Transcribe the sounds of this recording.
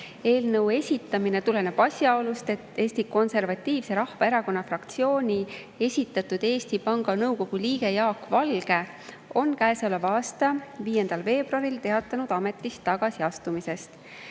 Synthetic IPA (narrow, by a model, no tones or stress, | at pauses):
e̞ːlnɤwe̞sʲit̪ːˑɑmine̞t̪ule̞neb̥ɑsʲjɑolust̪e̞t̪ːe̞ːsʲt̪iko̞nse̞rvɑt̪ʲˑːiːvse̞ɾɑhvɑeɾɑko̞nːɑfrɑkt̪sio̞ːnʲi | e̞sʲit̪ːˑɑt̪ːˑud̪̥e̞ːst̪ipɑŋɡ̥ɑnɤwko̞ɡ̥uliːɡ̥e̞jɑːkːvɑlɡ̥e̞ | o̞nkæeseo̞levɑːst̪ɑviːje̞nd̪̥ɑlve̞ːb̥ruɑɾilt̪e̞ɑt̪ːˑɑnud̪̥ɑme̞t̪ːˑist̪ːɑɡ̥ɑsiɑst̪umise̞st̪